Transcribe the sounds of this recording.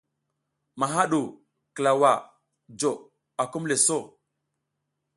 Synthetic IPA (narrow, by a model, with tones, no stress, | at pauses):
ma˨ɦa˦ɗu˨ | kə˨la˨wa˨ | d͡ʒo˨ | a˨ku˦mle˨so˦˨